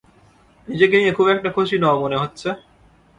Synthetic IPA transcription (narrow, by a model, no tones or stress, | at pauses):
nid͡ʑek̬eniekʰubɛk̚ʈakʰoʃinɔmoneɦotːɕʰe